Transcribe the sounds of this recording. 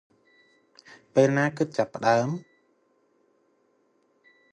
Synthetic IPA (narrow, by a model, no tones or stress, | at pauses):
peːlnaːkɨt̪̚t͡ɕapːə̆ɗaəm